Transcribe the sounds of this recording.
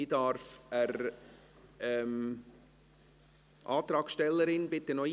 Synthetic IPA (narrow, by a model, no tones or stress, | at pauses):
idɑɾfəɾ | ɛm | ʔɑ̰ːt̪ɾɑːksʃtɛlːəɾɪnbɪt̪ːənɔ